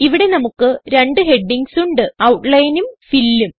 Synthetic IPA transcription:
iʋiɽe̞nɐmukːɨɾe̞ɳɖɨɦe̞ɖːiŋɡsuɳɖɨɐwʈlɐjnumfilːum

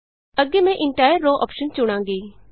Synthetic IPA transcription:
əɡemɛ̃ʔɪ̃ɳʈaːjəɾːoːʔɔːpʃənt͡ʃʊɽ̃ãːŋɡeː

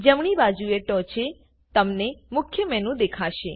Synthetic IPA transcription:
d͡ʒəmɽ̃ibad͡ʒueʈɔ̃t͡ʃe | t̪əmnemʊkʰjəmɛnũd̪ekʰaʃe

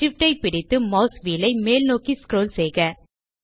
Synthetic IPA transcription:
ɪfʈːɐɪpɪɽɪt̪ːɯmɐʊsʋiːlɐɪmeːlnoːkiskɾoːlsɛjɣɐ

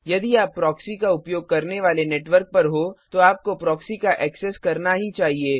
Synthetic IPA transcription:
jɐd̪iaːpːɾɔːksikaʊpjoːɡ̚kɐɾneʋaːleneːʈʋəɾk̚pɐɾɦot̪oaːp̚kopɾɔːksikaʔɛːkseskɐɾnaɦit͡ʃaːɦieː

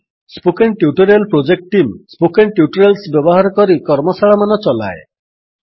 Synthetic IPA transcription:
spokenʈjuʈɔɾelpɾod͡ʒek̚ʈʈːimspokenʈjuʈɔɾelsbjɔbɔɦaɾɔkɔɾikɔɾmɔsaɭamanɔt͡ʃɔla̰e

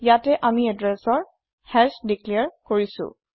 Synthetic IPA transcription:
jatɛʔamiɛdɹɛsɔɹ | hɛsdikliaɹkoɹisʊ̰̃

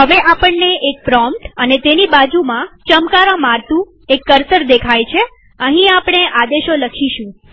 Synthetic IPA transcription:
ɦəʋeʔapəɳneek̚pɾɔmpʈənet̪enibad͡ʒumãt͡ʃəmkaɾõmaɾt̪ũ | ekːəɾsəɾd̪ekʰajt͡ʃʰe | ə̃ɦĩapɽ̃eʔad̪eʃoləkʰiʃũ

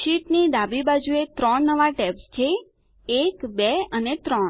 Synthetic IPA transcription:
ʃiʈnid̪abibad͡ʒuet̪ɾəɳnəʋaʈɛpst͡ʃʰeː | kbeənet̪ɾɔɳ

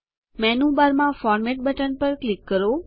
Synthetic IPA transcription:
mɛːnũːbaɾmãfɔːɾmeːʈ̚bəʈənpəɾklɪkːəɾo

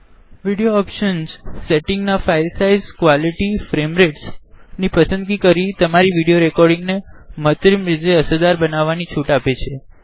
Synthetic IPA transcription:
ʋiɽijoɔpʃənzseʈɪŋɡnafajlsaizkʋaliʈifɾemɾeʈsnipəsə̃nd̪ɡikəɾit̪əmaɾiʋiɽijoɾekɔɾɖĩŋɡnemət̪ɾimɾid͡ʒeəsəd̪aɾbənaʋːanit͡ʃʰuʈapet͡ʃʰe

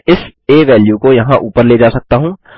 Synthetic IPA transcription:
ɪseːʋɛːljukojɐɦãʔuːpəɾleːd͡ʒaːsɐk̚t̪aɦũː

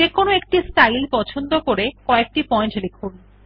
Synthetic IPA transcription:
ekonoek̚ʈisʈajlpɔt͡ɕʰond̪okoɾekɔek̚ʈipɔjɳʈlekʰun

